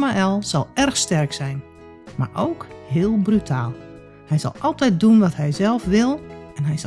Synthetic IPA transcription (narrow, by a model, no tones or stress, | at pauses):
maɛlˠz̥ɔlˠɛrxstɛrksɛjn | ma̰ːrʔowkhɪːəlˠbrytʰaːlˠ | hɛjzɔ̰lˠʔɔlˠtɛjt̚dunʋɔthɛjzɛlˠfʋɪlˠɛnɦɛjz